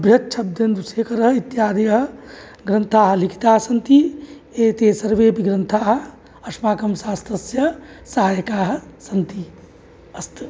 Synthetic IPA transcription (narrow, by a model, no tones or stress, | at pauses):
ɐbʱjɐt̪t͡ʃʰɐb̚d̪jɐnd̪useːkɐɾɐɦɐit̪jaːd̪ɐjɐɦɐ̆ | ɡɾɐnt̪ʰaːɦɐ̆likʰi̥t̪aːɦɐsɐnt̪i | eːt̪eːsɐɾʋeːpiɡɾɐnt̪ʰaːɦɐ̆ | ɐʂmaːkɐmsaːst̪ɾɐsjɐ | saɦaːjɐkaːɦɐ̆sɐnt̪i | ɐst̪